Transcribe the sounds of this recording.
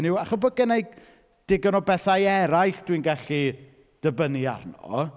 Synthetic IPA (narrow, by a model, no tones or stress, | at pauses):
nɪwaχɔsbɔɡənejɡ | d̥ɪɡənɔbɛθajɛɾajɬd̥winɡaɬi | d̥əbənia̰rnɔ̰